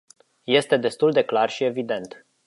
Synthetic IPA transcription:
je̞st̪e̞d̪e̞st̪uld̪e̞klarʃie̞vid̪e̞nt̪

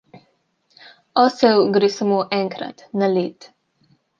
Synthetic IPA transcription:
ɔsɛwɡɾesamoʔɛŋkɾa̰t̪naleːt̪

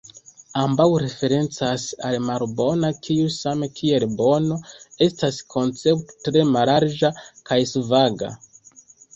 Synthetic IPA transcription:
ambawɾe̞fe̞ɾe̞nt͡sasa̰lmaɾbo̞nakʰiusame̞kʰie̞lbo̞no̞e̞staskʰo̞nt͡se̞pto̥tɾe̞malaɾd͡ʒakajsvaɡa̰

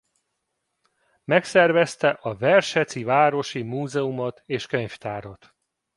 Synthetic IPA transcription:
mɛksɛrvɛst̪ɛʔɒvɛrʃɛt̪sivaːɾo̞ʃimuːzɛumɒt̪eːʃkøɲft̪aːɾot̪

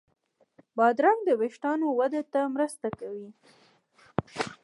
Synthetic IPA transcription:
bɑd̪ɾaŋd̪əweʃʈɑnowad̪at̪amɾəst̪akawi

